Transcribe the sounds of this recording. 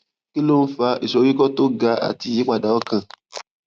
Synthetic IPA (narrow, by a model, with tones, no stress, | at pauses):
ki˦lo˦n̩˦fa˧i˨ʃo˨˦ɾi˦kɔ˦to˦ɡa˧a̰˨ti˧˦ji˨˦k͡pa˦˨da˨˦ɔ˦kã˦˨